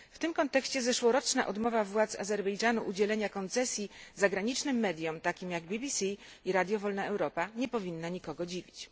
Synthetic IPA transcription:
ft̪ɘmkɔnt̪ɛkɕt͡ɕɛzɛʂwɔɾɔt͡ʂna̰ʔɔd̪mɔvavwat̪sa̰zɛɾbɛjd͡ʐanuʔud͡ʑɛlɛɲakɔnt̪sɛsʲjizaɡɾaɲit͡ʂnɘmːɛd̪ʲjɔmt̪akʲimjaɡbʲibʲisʲiiɾad̪ʲjɔvɔlnaɛwɾɔpaɲɛpɔvʲinːaɲikɔɡɔd͡ʑivʲit͡ɕ

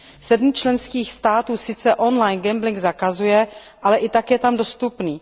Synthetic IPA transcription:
sɛdmt͡ʃlɛnskiːxst̪aːt̪uːsɪt͡sɛʔo̞nlajnɡɛmblɪŋɡzakazujɛ | ʔalɛʔɪt̪akjɛt̪amdo̞st̪upniː

